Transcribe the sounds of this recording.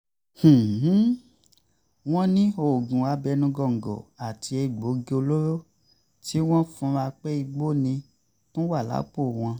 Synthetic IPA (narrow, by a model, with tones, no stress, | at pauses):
h̩˨˦ | w̃ɔ̃˦nĩ˦o˦˨ɡũ˨a˧bɛ˧nũ˧ɡɔ˧˨ŋ̩˨ɡɔ̰˨a˨tʰi˧˦e˧˨ɡ͡bo˨˦ɡe˦˧o˧lo˦ɾo˦ | ti˦w̃ɔ̃˦fũ˧˦ɾa˧k͡pe˦i˧ɡ͡bo˦nĩ˧ | tõ˦wa˦˨la̰˨˦k͡po˦˨w̃ɔ̃˧